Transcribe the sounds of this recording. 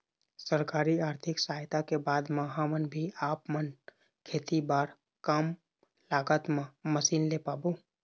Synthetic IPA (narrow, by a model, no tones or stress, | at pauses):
səɾkaːɾiaːɾt̪ʰɪksaːɦjt̪akebaːd̪məɦamənbʱiaːpmən | kʰeːt̪ibaːɾ | kəm | laːɡət̪mãməsiːnlepaːbo